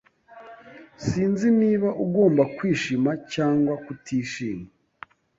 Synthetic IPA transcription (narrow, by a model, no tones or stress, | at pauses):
siːnziniːβaʔuɡo̞ːmbakwiːʃimacaːŋɡwakutʰiːʃiːŋɡa